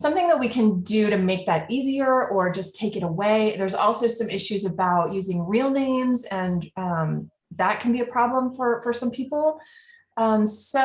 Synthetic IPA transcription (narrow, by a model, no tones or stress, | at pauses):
sʌ̃mθɪ̃ŋðət̚wikʰɨ̃ndɨɾɨmeɪk̚ðɨɾiziə˞ʔə˞d͡ʒʌstʰeɪkɨɾəweɪðə˞zɔ̰lˠsoʊsʌ̃mɪʃʉzɨbaʊtjʉzɪ̃ŋɹilˠnẽɪ̃mzɨ̃nʌ̃m | ðət̚kʰɨ̃n̩biɨpʰɹ̥ɑblə̃ɱfə˞fə˞sʌ̃mpʰipl̩ˠ | ʌ̃mso